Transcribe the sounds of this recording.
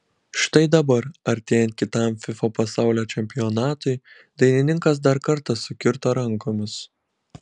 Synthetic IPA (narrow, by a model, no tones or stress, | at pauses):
ʃt̪ɐɪd̪ɐbɐɾɐɾʲt̪ʲeːjɛnt̪̚kʲɪt̪ɐˑmfʲɪfoːpɐsɑˑʊlʲoːt͡ʃʲɛmʲpʲɪjɔnɑːt̪ʊɪ | d̪ɐɪnʲɪnʲɪŋkɐs̬d̪ɐɾkɐɾt̪ɐsʊkʲɪɾt̪oːɾɐŋˑkoːmʲɪs